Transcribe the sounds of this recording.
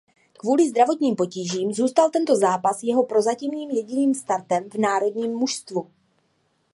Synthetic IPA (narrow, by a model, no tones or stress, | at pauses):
kvuːlɪzd̪ɾavo̞t̪ɲiːmpo̞ciːʒiːmzuːst̪alt̪ɛnt̪o̞zaːpasjɛɦo̞pɾo̞zacɪmniːmjɛɟɪniːmst̪aɾt̪ɛmvnaːɾo̞d̪ɲiːmːuʃst̪vu